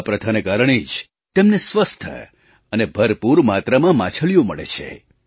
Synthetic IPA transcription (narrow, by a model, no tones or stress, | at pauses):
pɾət̪ʰanekaɾəɳ̃id͡ʒ | t̪emnesʋəst̪ʰə̰ | ənebʱəɾpuɾmat̪ɾamãmã̰t͡ʃʰəɭijoməɭḛt͡ʃʰḛ